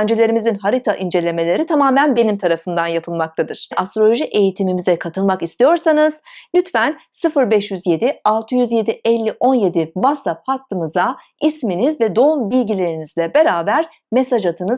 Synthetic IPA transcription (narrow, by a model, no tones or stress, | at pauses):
nd͡ʒelʲe̞ɾimizinɦaɾit̪ʰaʔind͡ʒe̞lʲe̞me̞lʲe̞ɾit̪ʰamaːmænbe̞nimt̪ʰaɾafɯnd̪anjapʰɯlˠmak̚t̪ʰad̪ɯɾ̥ʔast̪ɾo̞lʲo̞ʒiʔe̞jit̪ʰimimizɛkʰat̪ʰɯlˠmakist̪ʰijo̞ɾsanɯz̥lʲyt̪fænsɯfɯɾbɛʃjyzje̞d̪ialˠt̪ʰɯjyzje̞d̪iʔɛlʲːiʔo̞nje̞d̪ivasap̚hat̪ʰːɯmɯza | isminizvɛd̪o̞umbilʲɟilʲe̞ɾinizlʲɛbe̞ɾaːbæɾ̥ | me̞saʒat̪ʰɯnɯz